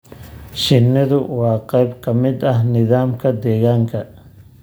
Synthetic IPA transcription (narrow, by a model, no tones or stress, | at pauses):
ʃɪnːɐðʊwɑːqɛjbkʰɐmɪd̪ɐɦnɪðaːmkʰɐd̪ɛːɣaːŋkʰɐ